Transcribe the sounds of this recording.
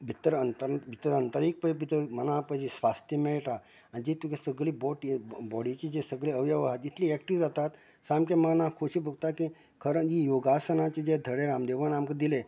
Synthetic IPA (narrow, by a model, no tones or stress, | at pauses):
bʱit̪əɾənt̪əɾbʱit̪əɾənt̪əɾik̚pəbʱit̪əmənãpəd͡ʑesʋast̪jəmɛɭʈa | anid͡ʑet̪ukesəɡɭiːbɔʈbɔɽit͡ɕiesəɡɭeəʋjaʋaɦat̪it̪liːɛkʈiʋd͡zat̪at̪ | samkemənakʰoɕiːbʱəɡ̚t̪akĩ | kʰəɾəɳijoɡasənat͡ɕed͡ʑed̪ʱəɽeɾamd̪eʋənamkəd̪ile